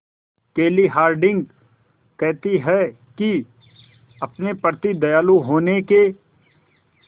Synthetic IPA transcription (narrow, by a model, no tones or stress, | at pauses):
keːliɦaːɾɖɪ̃ŋɡ | kɛɦt̪iɦɛ | ki | ɐpnepəɾt̪id̪ɐjaːluɦoːneke